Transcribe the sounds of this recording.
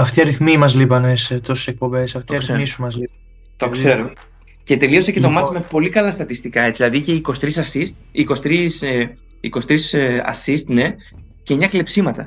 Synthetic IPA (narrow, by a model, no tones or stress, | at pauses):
ɐft̪iɐɾiθmimɐzlipɐneset̪osu̥sek̚po̞be̞sɐft̪iɐɾiθmisumɐzlipɐ | t̪okse̞ɾo | ce̞t̪e̞liosece̞t̪omɐt̪t͡sime̞po̞likɐlɐst̪ɐt̪ist̪ikɐe̞t͡silɐðiiçe̞iko̞st̪ɾisɐsist̪ | iko̞st̪ɾis | iko̞st̪ɾisɐ̰sist̪ne̞ | cemɲɐkle̞psimɐt̪ɐ